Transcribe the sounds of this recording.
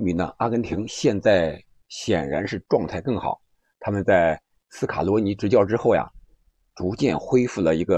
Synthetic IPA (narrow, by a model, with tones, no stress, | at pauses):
mi˧˥nnə̰˧a˥kə˧˥nt̪ʰi˧˥ŋɕjɛ˥˧nt͡sa˥˩ɪ | ɕjɛ˨˩nɻa̰˧˥nʂɻ̩˥˧ʈ͡ʂwɑ˥˧ŋt̪ʰa˥˧ɪkɤ˥˩ŋxɑ̰˨˩˦ʊ | t̪ʰa˥mə˨nt͡sa˥˩ɪ | sɹ̩˥kʰa̰˨˩lwɔ˧˥ni˧˥ʈ͡ʂɻ̩˧˥t͡ɕjɑ˥˩ʊʈ͡ʂɻ̩˥xo˥˩ʊja̰˨˩ | ʈ͡ʂu˧˥t͡ɕjɛ˥˩nxwe˥ɪfu˥˩lə˩i˧˥ɡə˧